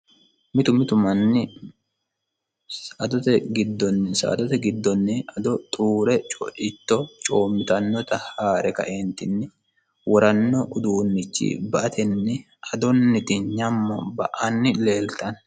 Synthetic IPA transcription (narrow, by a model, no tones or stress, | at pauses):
mɪt̪ʊmɪt̪ʊmɐnːɪ | sʔɐd̪ɔt̪ɛɡɪd̪ːɔnːɪsɐ̰ʔːd̪ɔt̪ɛɡɪd̪ːɔnːɪɐd̪ɔt̪ʼuːɾɛt͡ʃʼɔ̰ʔɪt̪ːɔt͡ʃʼoːmːɪt̪ɐnːɔt̪ɐhaːɾɛkɐ̰ʔent̪ɪnːɪ | wɔɾɐnːɔʔʊd̪uːnːɪt͡ʃːḭbɐʔɐt̪ɛnːɪ | ɐd̪ɔnːɪt̪ɪɲɐmːɔ̰bɐʔɐnːɪle̞ːlt̪ɐn